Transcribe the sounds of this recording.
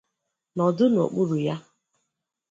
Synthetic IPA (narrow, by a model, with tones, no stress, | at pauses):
nɔ˨dʊ˦n˨o̰˨k͡pʊ˦ɾʊ˨ja˦